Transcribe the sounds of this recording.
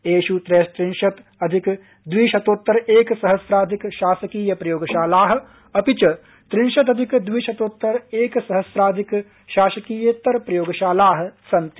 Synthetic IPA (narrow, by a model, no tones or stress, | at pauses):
eːʃut̪ɾeːʃt̪ɾɪnʃɐt̪ | ɐd̪ʱik | d̪ʋiːʃɐt̪oːt̪ːɐɾeːksɐɦɐsɾaːd̪ʱikʃaːʃɐkiːjɐpɾɐjoːɡɐʃaːlaːɦɐ̆ | ɐpit͡ʃɐ | t̪ɾɪnʃɐt̪̬ɐd̪ʱikd̪ʋiːʃɐt̪oːt̪ːɐɾeːksɐɦɐsɾaːd̪ʱik | ʃaːʃɐkiːjet̪ɐɾpɾɐjoːɡɐʃaːlaːɦɐ̆sɐ̃nt̪